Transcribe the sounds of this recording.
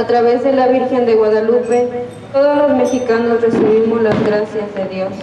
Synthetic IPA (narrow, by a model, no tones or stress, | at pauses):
at̪ɾaβe̞zðe̞laβiɾxe̞nd̪eɣwaðalupe̞ | t̪o̞ðozlo̞zme̞xikanosre̞siβ̞imo̞zlazɣɾasjazðeðjo̞s